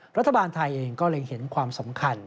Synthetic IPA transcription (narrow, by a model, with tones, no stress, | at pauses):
ɾa˥t̪ʰːa˧baː˧nt̪ʰa˧jʔeː˧ŋkɔː˥˩lɤː˧jhe˩˦nkʰwaː˧msa˩˦mkʰa˧n